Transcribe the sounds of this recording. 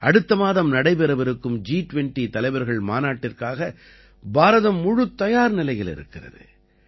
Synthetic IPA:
ʔɐɽɯt̪ːɐmaːðɐmnɐɽɐɪpɛɾɐʋɐɾɯkːɯmd͡ʒiːʈʊʋɛɳʈit̪ɐlɐɪʋɐɾɣɐɭmaːnaːʈːɪrkaːɣɐ | baːɾɐðɐmːʊɻʊt̪ːɐjaːɾnɪlɐɪjɪlɪ̰ɾɯ̰kːɪrɐ̰ðɯ̰

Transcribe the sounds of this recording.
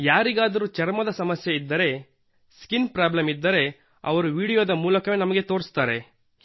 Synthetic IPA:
jaːɾiɡaːd̪ɐɾuːt͡ʃɐɾmɐd̪ɐsɐmɐsjeid̪ːɐɾe̞ | skinpɾaːblɐmid̪ːɐɾe̞ | ɐ̰ʋɐɾuʋiːɽijoːd̪ɐmuːlɐkɐʋenɐmɐɡe̞t̪oːɾst̪aːɾe̞

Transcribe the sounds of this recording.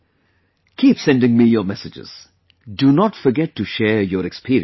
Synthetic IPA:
kʰiːpsɛ̃nɖɪ̃ŋmiːjɔːɾmɛsɪd͡ʒɪ̰z̥ | ɖunɔʈfɔɾɡɛʈʰːuʃɛːɾjɔːɾɛkspʰiɾḭ

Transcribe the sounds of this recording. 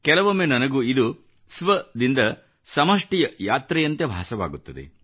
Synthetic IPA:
kɛlɐʋomenɐnɐɡuːid̪u | sʋɐd̪ind̪ɐ | sɐmɐʂʈijɐjaːt̪ɾɛjɐnt̪ebʱa̰ːsɐʋa̰ːɡut̪ːɐd̪ḛ

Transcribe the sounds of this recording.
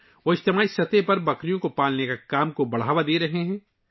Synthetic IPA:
ʋoːɪʃt̪ɪmaːisɐt̪epɐɾbɐkɾijõkopaːlnekakaːmkobɐɽ̤aːʋad̪eːɾɐɦeɦɛ̃ː

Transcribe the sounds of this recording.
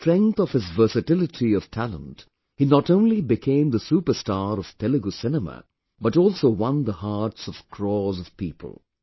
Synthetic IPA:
tɹɛ̃ŋkθɔv̥ɨzvɜ˞sɨtɪlɨtʰiʌv̥tʰælə̰̃nt | hinɔtõʊ̃nlibɨkʰẽɪ̃md̪əsupəstaɾʌv̥tɛlɨɡosɪnəmə̰ | bʌʈɔlˠsoʊwʌ̃nd̪əhɑɹtsʌv̥kʰɹɔzʌv̥piːpʰə̰l̩ˠ

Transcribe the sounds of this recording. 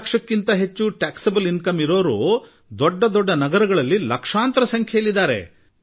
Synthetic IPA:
kʂɐkːint̪ɐɦe̞t͡ʃːuʈaːksɐbɐlinkɐmiɾo̞ːɾṵː | d̪ɔɖːɐd̪ɔɖːɐnɐɡɐɾɐɡɐɭɐlːilɐkʂaːnt̪ɾɐsɐŋkʰjɐjɐlid̪ːaːɾe̞̰

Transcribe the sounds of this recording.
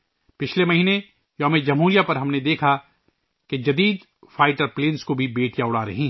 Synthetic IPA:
pɪt͡ʃʰlemɐɦiːne | jɔ̃ːmed͡ʒɐmɦuːɾijapɐɾɦɐmned̪eːkʰa | ked͡ʒɐd̪iːd̪ | faːɪʈəɾpleːnskobʱibeːʈʰjaʊɽaːɾɐ̰ɦĩː

